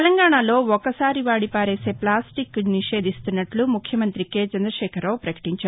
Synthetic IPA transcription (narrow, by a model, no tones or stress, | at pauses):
lɐŋɡaːɳalo̞ːɔkɐsaːɾiʋaːɽipaːɾeːse̞ːplaːsʈikniʃe̞ːd̪ʱist̪unːɐʈlumukʰjɐmɐnt̪ɾikeːt͡ʃɐnd̪ɾɐʃɛːkʰɐɾːawpɾɐkɐ̥ʈiɲt͡ʃa